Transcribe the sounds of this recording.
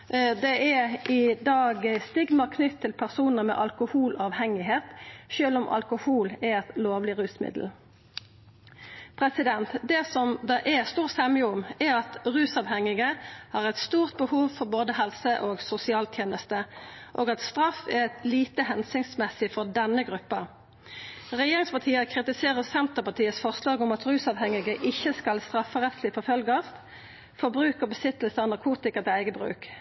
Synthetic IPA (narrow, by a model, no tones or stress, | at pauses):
d̪ɛʔɛɪd̪ɑːɡst̪ɪɡmɑʁkʰnʏt̪ʰːɪlpʰæʁsuːnəmɛ̰ʔɑlkʊhuːlɑːʋhɛŋɪheːt̪ʃøːlʊmʔɑ̰lkʊhuːlɛɾɛt̪loːʋlɪʁʉːsmɪ̰d̪l̩ | pʰʁɛsɪd̪ɛnt̪d̪ɛsɔmd̪ɑːʔɛst̪uːʁsɛmjəʊmɛʁɑt̪ʁʉːsɑʋhɛŋɪɡəhɑːʁɛɪt̪st̪uːʁt̪̚bəhuːʋfɔʁboːd̪əɦɛlsəʔoːɡsʊsɪɑːlt̪ʰjeːnəst̪əʔoːɡɑt̪st̪ʁɑfæʁɛt̪liːt̪əhɛnsɪŋsmɛsɪfɔʁd̪ɛnːəɡʁʉpːə | ʁɛjeːʁɪŋspɑt̪ʰiːəkʰʁɪt̪ɪseːʁəsɛnt̪əʁpɑt̪iːəsfɔʁslɑːɡʊmɑt̪ʁʉːsɑʋhɛŋɪɡəʔɪçːəskɑlst̪ʁɑfəʁɛt̪slɪfɔɾfœlɡəst̪ | fɔʁbʁʉːkəbəsɪt̪əlsənɑʁkʰuːt̪ɪkəʁt̪ɛæɪɡəbʁʉ̰ːk